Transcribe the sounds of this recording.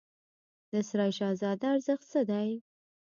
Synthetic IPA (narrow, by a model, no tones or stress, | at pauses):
d̪əsɾɑjʃɑzɑd̪aːɾzəxt̪səd̪aj